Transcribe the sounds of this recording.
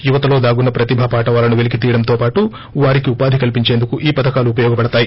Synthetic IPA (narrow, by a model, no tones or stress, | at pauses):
juʋɐt̪ɐlo̞ːd̪aːɡunːɐpɾɐt̪ibʱɐpaːʈɐʋaːlɐnuʋelik̬it̪iːjɐɽɐnt̪o̞ːpaːʈu | ʋaːɾikiupaːd̪ʱikɐlpiɲt͡ʃeːnd̪ukuʔiːpɐd̪ɐkaːluːpɐjɔːɡɐpɐɽɐt̪aːji